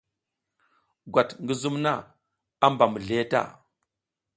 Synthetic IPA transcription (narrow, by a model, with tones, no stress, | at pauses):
ɡʷa˨tŋɡə˦zu˦mna˦˨ | a˦mba˨mu˨ɮe˦ta̰˦˨